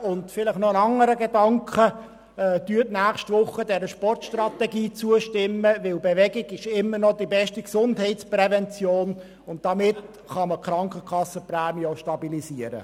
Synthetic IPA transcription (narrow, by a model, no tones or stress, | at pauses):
ʊndfɪləχnɔənɑŋːəɾəɡedɑŋkχəː | d̥yːtnæːχʃtvʊχːədɛɾəʃpɔrtʃtrɑt̪ɛɡiːt͡suəʃtɪmːəʋɪlbeʋɛɡɪɡɪʃɪmːənɔd̥ibɛʃtiksʊndɦɛɪtt͡sprɛvɛnt͡sjoːn | ʊnt̚d̥ɑmɪt | χɑməkχɾɑŋkəkχɑsːəprɛːmjoʃtɑbilisiəɾə̰